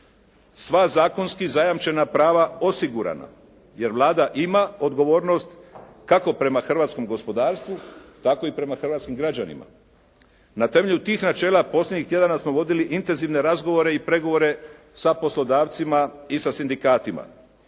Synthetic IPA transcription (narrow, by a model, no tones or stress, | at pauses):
sʋazaːko̞nskizajamt͡ʃe̞napɾaːʋao̞siɡuɾa̰na̰ | je̞ɾʋlˠaːd̪aʔimao̞d̪ɡo̞ʋo̞ːɾno̞st̪ | kako̞pɾe̞maxr̩ʋat̪sko̞mɡo̞spo̞d̪aːɾst̪ʋut̪ako̞ipɾe̞maxrʋat̪skimɡɾad͡ʑanḭma̰ | nat̪e̞me̞ʎʲut̪iːxnat͡ʃe̞ːlˠapo̞slʲeɲixt̪je̞d̪anasmo̞ʋo̞d̪iliʔint̪e̞nziʋne̞ɾazɡo̞ʋo̞ɾe̞ipɾe̞ɡo̞ʋo̞ɾe̞ | sapo̞slo̞d̪aːʋt̪simaisasind̪ikaːt̪ima̰